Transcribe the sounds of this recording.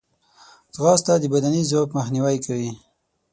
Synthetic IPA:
zɣɑst̪ad̪əbad̪anizokməxniwajkawi

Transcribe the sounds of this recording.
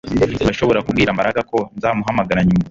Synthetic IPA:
ɡaʃo̞βo̞ɾakubɡiːɾamaɾaɡako̞nzaːmuɦamaɡaɾaɲimo

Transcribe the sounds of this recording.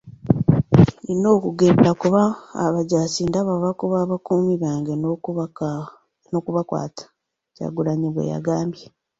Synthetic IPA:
nino̞ːkuɡeβakuβa̰ːβaɟasiːndaβaβakuβaːβakuːmiβaːŋɡe | noːkuβakwa̰ːtʰḁ | ca̰ɡuɾaɲiβwḛja̰ɡaːmbje

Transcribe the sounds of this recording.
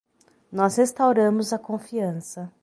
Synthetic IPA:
nɔshest̪awɾɐ̃mʊzɐkõfiɐ̃sɐ

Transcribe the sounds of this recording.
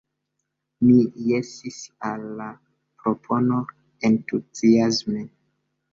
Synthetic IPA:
mijesisalːa | pɾopʰo̞no̞ | entuziasme

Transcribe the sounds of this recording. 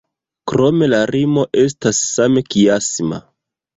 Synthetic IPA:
kɾo̞me̞laɾimo̞ʔe̞s̬tasːame̞kiasma̰

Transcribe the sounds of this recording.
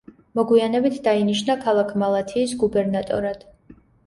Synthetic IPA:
mɔɡwianɛbit̪ʰd̪ainiʃnakʰalˠakʰmalˠat̪ʰiːsɡubɛɾnat̪ʼɔ̰ɾad̪̥

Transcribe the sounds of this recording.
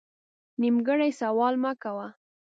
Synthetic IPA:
nimɡəɽajsawɑlmakawa

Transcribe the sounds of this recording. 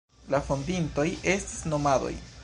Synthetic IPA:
lafondinto̞je̞sti̥sno̞mado̞̰j

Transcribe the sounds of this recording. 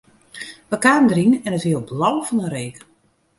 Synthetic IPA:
ʋəkaːndərinɛnəthiəlˠblɔwfɔnəɾeːkə

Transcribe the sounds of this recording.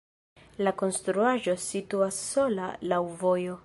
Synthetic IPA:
lako̞nstɾuaʒo̞situasːo̞lalawvo̞jo̞

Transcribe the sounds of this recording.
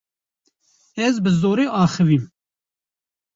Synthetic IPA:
ɛzbɨzoːɾeːʔɑːxɨviːm

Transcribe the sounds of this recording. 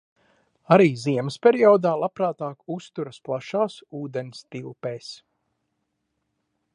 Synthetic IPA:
aɾiːziɛməspʲɛɾiɔːd̪aːlˠapɾaːt̪aːkust̪uɾɐsplˠaʃaːsuːd̪enst̪ilˠpeːs

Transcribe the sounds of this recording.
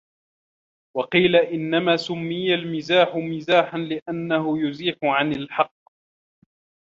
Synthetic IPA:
wɑqiːlaʔɪnːamaːsʊmːɪjalmɪzaːħʊmɪzaːħanlɪʔanːahʊjʊziːħʊʕanalħɑqː

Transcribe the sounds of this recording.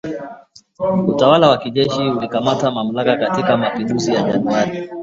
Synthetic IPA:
utawalawakiʄɛʃiulikamatamam̩lakakatikamapinduzijaʄanuwaɾi

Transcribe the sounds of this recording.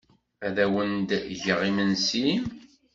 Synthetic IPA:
æðæwənd̪ʝəʁimənsin

